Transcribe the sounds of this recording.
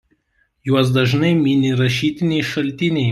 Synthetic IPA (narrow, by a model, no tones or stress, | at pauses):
juɔs̬d̪ɐʒnɐɪmʲɪnʲɪɾɐʃʲiːt̪ʲɪnʲɛɪʃɐlʲt̪ʲɪnʲɛɪ